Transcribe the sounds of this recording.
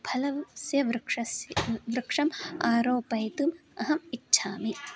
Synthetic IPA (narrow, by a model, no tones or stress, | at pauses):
bʱɐlɐsjɐʋɾɨkʂɐsʋɾɨkʂɐmaːɾoːpɐjt̪umɐɦɐmitːɕʰaːmi